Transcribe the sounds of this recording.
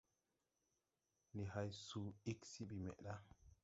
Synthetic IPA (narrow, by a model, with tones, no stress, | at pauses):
ni˨ha˦jsuː˨˦i˦ksi˦ɓi˨mḛ˨ʔɗa˦